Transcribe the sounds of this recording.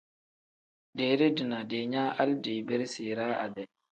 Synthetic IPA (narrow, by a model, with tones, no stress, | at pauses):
de˨ɾe˦di˨na˨de˨ɲa˦ʔa˦lde˨be˦ɾsiː˨ɾa˦a̰˨bɛ˨